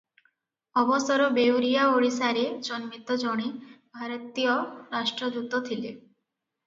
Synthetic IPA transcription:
ɔbɔsɔɾɔbewɾijaoɽisaɾed͡ʒɔnmit̪ɔd͡ʒɔɽ̃ibʱaɾɔt̪ijɔɾasʈɾɔd̪ut̪ɔt̪ʰile

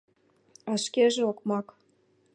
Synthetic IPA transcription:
ɑʃkeʒeokmɑk

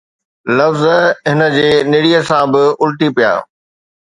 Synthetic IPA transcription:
lɐfzɦɪnə̆d͡ʑeːnɪɽiːəsãbɪʊlʈipija̰ː

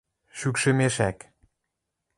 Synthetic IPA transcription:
ʃykʃə̆meʃæk

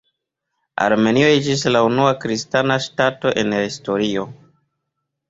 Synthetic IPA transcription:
a̰ɾme̞nio̞ed͡ʒis̬launuakɾistanaʃtato̞ʔe̞nhisto̞ɾio̞

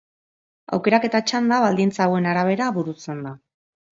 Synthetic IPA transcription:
a̰wke̞ɾake̞t̪at͡ʃand̪aβald̪int͡sawe̞naɾaβ̞e̞ɾaβuɾut͡se̞nd̪a

